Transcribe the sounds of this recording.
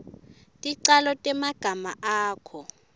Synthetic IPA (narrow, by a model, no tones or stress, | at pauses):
tʼiǀalɔtʼɛmaɡ̥ʱamaʔaːkʰɔ